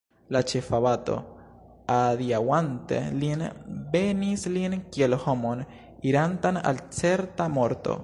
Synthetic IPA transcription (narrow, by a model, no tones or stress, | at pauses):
lat͡ʃe̞faβato̞̰ | adiawante̞̰linbe̞nislinkielho̞mo̞n | iɾantana̰lt͡se̞ɾtamo̞ɾto̞̰